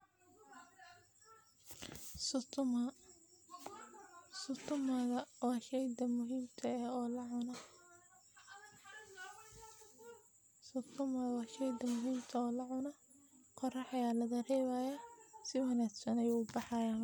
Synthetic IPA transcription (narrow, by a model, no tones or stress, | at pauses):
sʊt̪ʰm | sʊt̪ʰʊmɐðɐwɑːʃɛjd̪ɐmʊɦiːmt̪ʰɐːhɔːlɐʕʊnɐ | sʊt̪ʰʊmɐðwɑːʃɛjd̪ɐmʊɦiːmt̪ʰɐɔːlɐʕʊnɐ | qɔrɑħɐjaːlɐðɐrɛːβaːjasɪwɐnaːɡsɐnɛjʊbɑħɑjaːn